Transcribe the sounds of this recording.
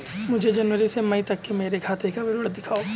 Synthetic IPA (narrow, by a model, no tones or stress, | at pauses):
mʊd͡ʒʱed͡ʒɐnʋəɾisemɐit̪ɐkːemeːɾekʰaːt̪ʰekabɪɾəɽd̪ɪkʰaːoː